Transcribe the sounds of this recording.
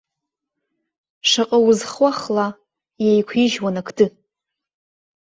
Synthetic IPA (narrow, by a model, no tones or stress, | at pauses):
ʂaqʼawʊzχʷaχla | jajkʷʰiʒwanakʰdɨ